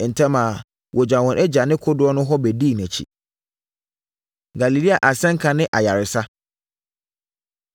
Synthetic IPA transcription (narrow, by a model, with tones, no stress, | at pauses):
n̩˨tʰɛ̃˦mã˨ | wʔɔ˨d͡ʑã˨wɔ̃˨nʔɛ˦d͡ʑa˨nɪ̃˦kʰʊ˦dʊ˨˦ɔ˦nʊ̃˦ɦɔ˦bɛ˨di˦˨n˨æ̃˨t͡ɕʰḭ˨ | ɡa˨li˨li˦a˨ʔa˨sɛ̃˦ŋ̩˦kʰã˨nɪ̃˦ʔa˨ja˨ɾɪ˨sa˦